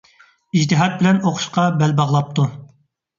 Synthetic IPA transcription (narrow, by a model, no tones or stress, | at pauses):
id͡ʒt̪ɨɦɑt̪̚bɪlɛnoqʰʊ̥ʃqɑbɛlbɑʁlˠɑp̚t̪ʰu